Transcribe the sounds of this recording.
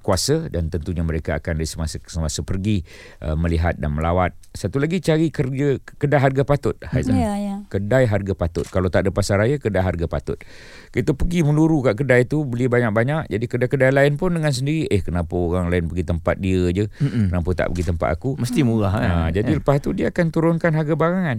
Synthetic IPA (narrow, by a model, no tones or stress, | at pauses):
kuasədant̪ənt̪uɲaməɾekaːkandaisəmassəmasəpərɡi | ʔə̰məliɦat̪̚danməlawat̪̚sat̪ulaɡit͡ʃaɾikərd͡ʒəkədajɦarɡapat̪ʊt̪̚hajzakədajɦarɡapat̪ʊ̰t̪̚kalat̪aʔdəpasaɾajakədajɦarɡapat̪ʊ̰t̪̚ | kit̪əpəɡimə̃luɾukaʔkədajt̪ubəlibaɲak̚baɲak̚d͡ʒadikədakədajlaɪnpʊndəŋans̬əndiɾiʔəhkənapaoɾaŋlaɪnpəɡit̪əmpa̰t̪̚diəd͡ʒəkənapat̪a̰ʔpəɡit̪əmpa̰t̪a̰kuməst̪imulaɦad͡ʒadiləpast̪udiaakant̪uɾʊnkanɦaɡabaɾaŋãn